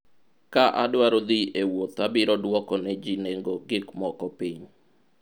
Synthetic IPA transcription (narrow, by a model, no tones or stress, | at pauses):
kaʔa̰dwaɾod̪iewot̪abɪɾɔdwɔkɔnɛd͡ʒineŋɡoɡɪkmɔkɔpiɲ